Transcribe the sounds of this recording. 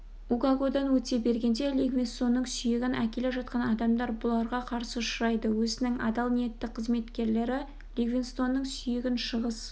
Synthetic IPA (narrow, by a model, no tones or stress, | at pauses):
uɡaɡo̞d̪ɑnwɵt̪e̞be̞ɾɡʲe̞nd̪e̞lʲeɡvʲinst̪o̞nːəɴsʏjɪɡʲɪnækʲe̞leʒɑt̪̚qɑnɑd̪ɑmd̪ɑɾbʊlˠɑɾʁɑqʰɑɾsəʃɾɑjd̪əwɵzɪnɪŋɑ̰d̪ɑlˠnije̞t̪ːɪk̚qʰəzme̞t̪kʲe̞ɾle̞ɾɪ | lʲeɡvʲinst̪o̞nːəɴsʏjɪɡʲɪnʃəʁəz